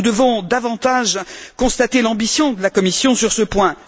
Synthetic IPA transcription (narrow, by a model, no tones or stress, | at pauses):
ud̪əvɔ̃d̪avɑ̃t̪aʒkɔ̃st̪at̪elɑ̃bisjɔ̃d̪əlakɔmisjɔ̃syʁsəpwɛ̃